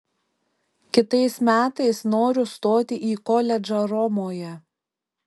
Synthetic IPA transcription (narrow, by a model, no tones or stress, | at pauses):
kʲɪt̪ɐɪsmʲæːt̪ɐɪsnoːɾʲʊst̪oːt̪ʲɪʔiːkɔlʲɛd͡ʒɐɾɔmoːjɛ